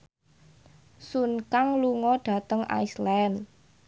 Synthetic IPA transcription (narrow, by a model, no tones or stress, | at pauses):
sunkaŋluŋɔɖ̥ä̤t̪əŋa̰islɛn